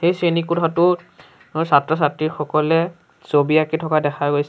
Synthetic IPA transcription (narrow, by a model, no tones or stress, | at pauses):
xejsenikutʰatʊ | satɹɔs̬atɹiɹxɔkɔlɛ | sobiakitʰɔkadɛxʰaɡojsɛ